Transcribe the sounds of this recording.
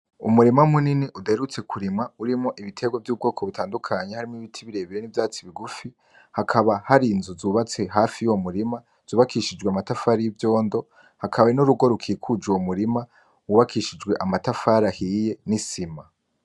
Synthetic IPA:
ṵmuɾimamuniniʔudaeɾut͡se̞kʰuɾimŋauɾimŋoʔiβitʰe̞ɡwovjuːb̚ɡo̞ːkʰo̞βutʰaːndukʰaɲe̞haɾimoiβitʰiβiɾe̞ːβijenivjaːt͡siβiɡufi | hakʰaβahaɾiːnzuzuːβat͡se̞ɦaːfijuwomuɾima | z̥uːβakiʃid͡ʒɡweamatafaːɾijivjo̞ːndo̞ | hakʰaβaenuɾuɡo̞ɾukʰiːkʰud͡ʒuwomuɾima | wuβakiʃid͡ʒɡwe̞ʔamatafaːɾahije̞nisima

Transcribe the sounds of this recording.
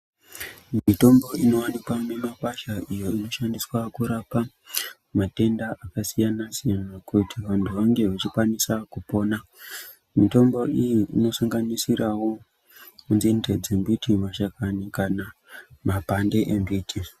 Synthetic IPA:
mmito̞mbo̞ino̞wanikwanemapaʃaʔijo̞ino̞ʃandiswakuɾapa | mate̞ndaʔakasijanasijanakutiʋantʰuʋaŋɡe̞ʋat͡ʃikwanisakupo̞ːna | mito̞mbo̞ʔijiʔino̞saŋɡanisirawo̞ | kunzinded͡zembitʰimaʃakanikana | mapande̞ʔembiːtʰi

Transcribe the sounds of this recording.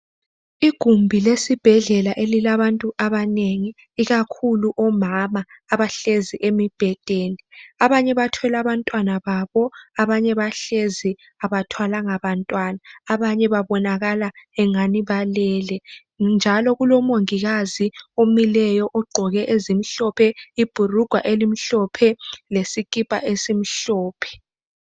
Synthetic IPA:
iɡ̥ʱumbʱilesib̥ʱɛɮɛlaʔelilaβantʼuʔaβaneŋiː | ɣakʰuluʔɔmamaː | βaɬeziʔemib̥ʱɛd̥ʱeːniaβaɲɛβatʰɔlaβantʼwanaβaβɔaβaɲɛβaɬezi | aβatʰwalaŋaβantʼwanaːβaɲɛβaβɔnaɣalaɛŋaniβalɛlɛ | nd͡ʒʱalɔɣulɔmoŋiɣaziomilɛjɔʔɔɡ͡ǃʱɔɣɛʔezimiɬɔpʰɛib̥ʱuruɡ̥ʱwaʔelim̩ɬɔpʰɛlesikʼipʼa̰ʔesim̩ɬɔːpʰɛ̥

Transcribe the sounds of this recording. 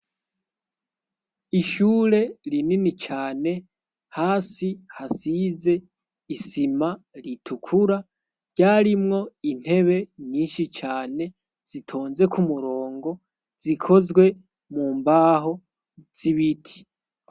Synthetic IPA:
iʃuːɾe̞ɾininit͡ʃaːne̞ | haːsihasize | isimaɾitʰukʰuɾa | ɟaːɾimŋo̞in̥he̞βe̞ɲɲiːnʃit͡ʃaːne̞ | z̥itʰo̞ːnze̞kʰumuɾoːŋɡo̞ | z̥ikʰo̞zɡwe̞ | muːmbaːɦo̞ | z̥iβitʰi̥

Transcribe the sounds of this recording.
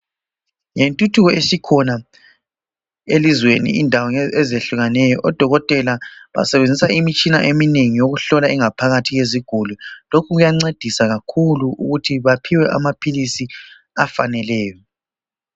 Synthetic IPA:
jentʼutʰuɣɔesikʰɔna | elizwenḭindʱawɔŋɛzeɬuɣanɛjɔʔɔd̥ʱɔɣɔtʼɛlaβa̰sɛβend͡zʱisaimit͡ʃʼina̰ʔemineŋijoɣuɬɔlaiŋapʰaɣatʰiɣeziɡ̥ʱululokʰuɣujaŋ͡ǀed̥ʱisaɣakʰuluuɣutʰiβapʰiwɛʔa̰mapʰilisi | afanɛlɛːjɔ

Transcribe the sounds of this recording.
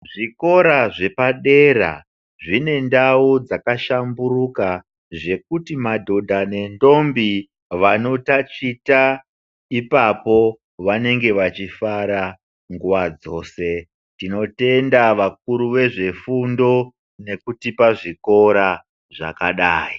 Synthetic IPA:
ʐiko̞ɾaʐe̞paɗe̞ra̰ | ʐine̞ndaud͡zakaʃambuɾuka | ʐe̞k̚utimadʱo̞dʱane̞ndo̞mbi | ʋano̞tat͡ʃita | ipapo̞ | ʋane̞ŋɡe̞ʋat͡ʃifaɾa | ŋɡuʋad͡zo̞ːse̞ | tino̞te̞ndaʋak̚uɾuʋe̞ʐe̞fundo̞ | ne̞kutipaʐiko̞ɾa | ʐa̰kaɗaːji

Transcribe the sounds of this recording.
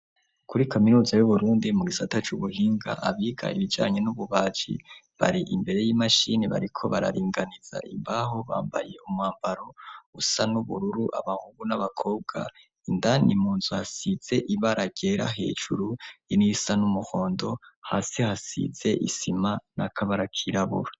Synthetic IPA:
kʰuɾikʰaminuːzajuβuɾuːndimuɡisatat͡ʃuβuhiːŋɡa̰ʔaβiːɡa̰iβid͡ʒa̰ːɲe̞nuβuβaːt͡ʃḭ | βa̰ɾiʔimbe̞ɾe̞jiːmaʃiniβa̰ɾikʰo̞βaɾa̰ɾiːŋɡaniz̥a̰ʔimbaɦo̞βa̰ːmba̰je̞umŋwaːmbaɾo̞usanuβuɾuɾuʔa̰βaŋhuɡunaβakʰo̞ːb̚ɡa̰ | indanimuːnzuhasiz̥e̞ʔiβaɾaɡ̥e̞ɾa̰ɦe̞̰ːd͡ʒuɾujinisanumuho̞ːndo̞haːsihasḭze̞ʔisimanakʰaβaɾakʰiɾaβṵɾḁ

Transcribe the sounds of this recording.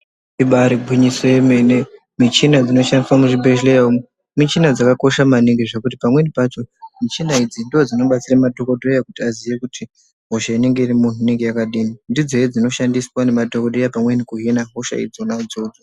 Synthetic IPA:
iɓaɾiɡʱwiɲisojemene | mit͡ʃinad͡zino̞ʃandiswamuʐibʱeʒleao | mit͡ʃinad͡zakako̞ʃamaniŋɡeʐekutipamwe̞nipat͡ʃo̞mit͡ʃinaid͡zindiod͡zino̞ɓat͡siramato̞kodʱojakutiazijekutʰi | ɦo̞ʃaine̞ŋɡe̞irimun̤uine̞ŋɡe̞jakaɗiːnindid͡zo̞ed͡zino̞ʃandiswane̞matokodʱojapamwe̞nikuɦinaɦo̞ʃa̰ḭd͡zounaud͡zod͡zo

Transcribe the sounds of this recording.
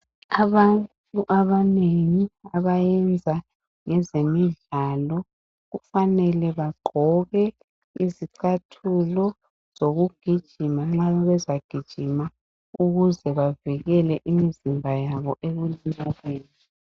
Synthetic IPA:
aβanttʼuʔaβaneŋiaβajɛnd͡zʱa | ŋɛzemiɮalɔ | ɣufanɛlɛβaɡ͡ǃʱɔɣɛ | iziǀʰatʰulɔ | z̥oɣuɡ̥ʱid̥ʒ̥ʱimaŋ͡ǁaβɛzaɡ̥ʱid̥ʒ̥ʱima | uɣuzɛβaviɣɛlɛʔimizimbʱajaβɔʔeɣulimalweːni

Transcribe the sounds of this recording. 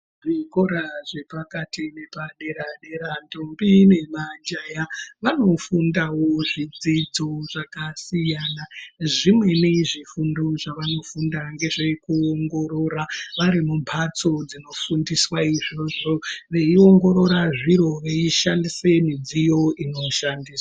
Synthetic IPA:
ʐikoɾaʐe̞pakatine̞paɗe̞ɾaɗe̞ɾantombine̞mand͡ʒajaʋano̞fundawo̞ʐid͡zid͡zo̞ʐ̥akasijanaʐimwe̞neʐifundo̞ʐaʋano̞fundaŋɡe̞ʐe̞kuoŋɡo̞ɾo̞ɾaʋaɾimumpʰat͡so̞d͡zino̞fundiswaiʐoʐo̞ʋe̞io̞ŋɡo̞ɾo̞ɾaʐiɾo̞ʋeiʃandise̞mid͡zijo̞ino̞ʃandiːswwa

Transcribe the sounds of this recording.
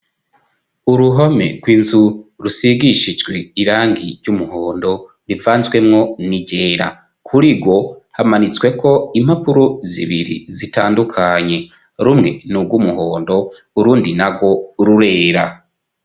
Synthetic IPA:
uɾuɦome̞̰ɡwiːnzuɾusiɡiʃid͡ʒɡweiɾaːŋɡiɾɟumuhoːndo̞ | ɾivaːnzɡwe̞mŋo̞niɟe̞ːɾa̰ | kʰuɾiɡwo̞hamanit͡swe̞kʰo̞imhapuɾozḭβiɾḭzitaːndukʰaɲe̞ | ɾumŋe̞nub̚ɡumuɦoːndo̞ | uɾuːndinaɡɡo̞ɾuɾe̞ːɾa

